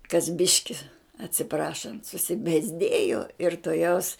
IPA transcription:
kɐs ˈbʲɪʃʲkʲɪ ɐtʲsʲɪˈprɑːʃɐnt sʊsʲɪbʲeːzʲˈdʲeːjoː ɪr toːˈjɛʊs

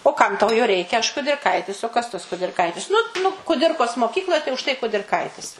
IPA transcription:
oː ˈkɐm tɐʊ joː ˈrʲɛɪkʲɛ ɐʃ kʊdʲɪrˈkɐɪtʲɪs oː kɐs tɐs kʊdʲɪrˈkɐɪtʲɪs ˈnʊ nʊ kʊˈdʲɪrkoːs moːˈkʲiːklˠoːj tɐɪ ʊʃ tɐɪ kʊdʲɪrˈkɐɪtʲɪs

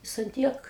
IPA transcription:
ˈjɪs ɐn ˈtʲiɛk

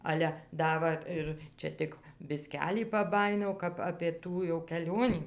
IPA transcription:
ˈɑːlʲɛ ˈdɐ ʋɐ ˈɪr ˈt͡ʃʲɛ tʲɪk bʲɪˈsʲkʲæːlʲiː pɐˈbɑːjɪnɐʊ kɐp ɐpʲeː ˈtuː jɛʊ kʲɛˈlʲoːnʲiː

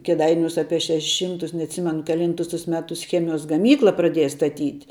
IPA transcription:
kʲɛˈdɐɪnʲuːs ˈɑːpʲiɛ ˈʃʲæːʃʲɛˈʃʲiːmtʊs nʲɛɐtʲˈsʲɪmʲɛnʊ kʲɛˈlʲiːntʊs tʊs ˈmʲæːtʊs ˈxʲæːmʲɪjoːs ɡɐˈmʲiːklˠɐ prɐˈdʲeːjɛ stɐˈtʲiːtʲ

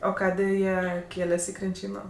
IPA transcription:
oː ˈkɑːdʲeː ˈjiɛ ˈkʲeːlʲɛsʲ ɪ krʲɪnʲˈt͡ʃʲiːnoː

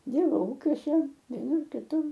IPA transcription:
ˈdʲiːrbɐʊ ˈuːkʲuɔsʲɛ ʋʲiɛˈnʊr kʲɪˈtʊr

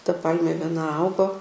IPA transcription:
tɐ ˈpɐlʲmʲeː ʋʲiɛˈnɐ ˈɐʊɡoː

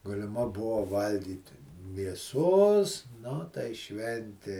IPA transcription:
ɡɐlʲɪˈmɐ ˈbʊʋoː ˈʋɐlʲɡʲiːtʲɪ mʲiɛˈsoːs ˈnʊ tɐɪ ˈʃʲʋʲɛnʲtʲeː

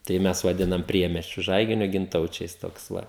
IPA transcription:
tɐɪ ˈmʲɛs ʋɐˈdʲɪnɐm ˈpʲrʲiɛmʲɛsʲt͡ʃʲʊ ˈʒɐɪɡʲɪnʲoː ɡʲɪnˈtɐʊt͡ʃʲɛɪs ˈtoːks ˈʋɐ

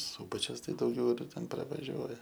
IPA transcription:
ˈsuːbɐt͡ʃʲʊs ˈtɐɪ dɐʊˈɡʲɛʊ ˈtʲɛn prɐʋɐˈʒʲuɔjɛ

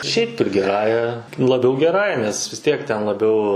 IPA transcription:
ʃʲɛɪp ˈtʊ ɡʲɪˈrɑːjɛ lˠɐˈbʲɛʊ ɡʲɛˈrɑːjɛ nʲɛs ʋʲɪs ˈtʲiɛk tʲɛn lˠɐˈbʲɛʊ

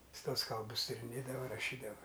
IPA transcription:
ˈjɪs ˈtuɔs ˈkɐlˠbʊs tʲɪrʲɪˈnʲeːdɐʋɐ rɐˈʃʲiːdɐʋɐ

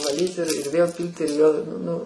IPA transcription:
ʋɐˈlʲiːt ɪr ɪr ʋʲeːlˠ ˈpʲiːlʲtʲ ɪr ʋʲeːlˠ ˈnʊ

